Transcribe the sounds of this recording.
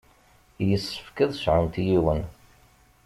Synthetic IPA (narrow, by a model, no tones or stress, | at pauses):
jəsːə̥fkəðˤʃʕənt̪jiwən